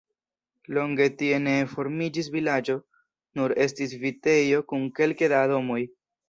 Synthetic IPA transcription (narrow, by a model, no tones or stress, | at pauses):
lo̞ŋɡe̞tie̞ne̞fo̞ɾmid͡ʒis̬vilad͡ʒo̞ | nuɾe̞stisvite̞jo̞kunke̞lkedado̞mo̞j